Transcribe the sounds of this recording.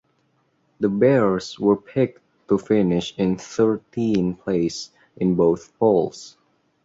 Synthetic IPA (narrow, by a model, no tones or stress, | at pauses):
d̪əbɛɹswə˞pʰɪk̚ | tːufɪnɪʃɪ̃nθɜ˞tĩnpʰleɪs | ʔɪ̃nboʊθpolˠs